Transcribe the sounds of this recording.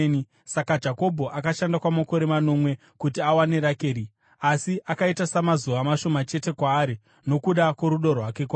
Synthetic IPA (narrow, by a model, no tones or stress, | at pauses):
ni | sakad͡ʒako̞bʱo̞ʔakaʃandakwamako̞ɾe̞mano̞mwe̞ | kutiawane̞ɾakeːɾi | asiʔakaitasamazuʋamaʃo̞mat͡ʃe̞te̞kwaːɾi | no̞kuɗakwo̞ɾuɗo̞rwake̞kwa